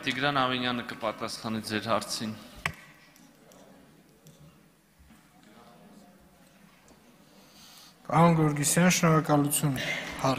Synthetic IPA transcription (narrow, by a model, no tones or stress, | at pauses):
t̪iɡɾɑnɑvinjɑnəkəpɑt̪ɑsχɑnid͡zɛɾhɑɾt͡sʰin | pɑɾɔnɡɔɾɡisjɑnʃnɔɾɑkɑlut͡sʰjunhɑ